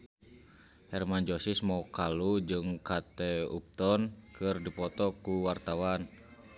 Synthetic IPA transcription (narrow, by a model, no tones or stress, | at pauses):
hɛrmand͡ʒɔsismɔkalud͡ʒɨŋkat̪ɛṵp̚t̪ɔnkɨrdipɔt̪ɔkuwart̪awan